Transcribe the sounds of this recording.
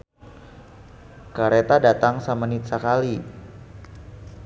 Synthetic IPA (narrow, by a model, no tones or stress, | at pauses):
kaɾet̪adat̪aŋsamanit̪̚sakali